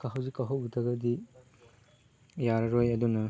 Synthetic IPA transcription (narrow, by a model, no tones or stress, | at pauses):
kɐɦɐwzikaɦɐwdɐɡɐdi | jaɾɐɾojɐdunɐ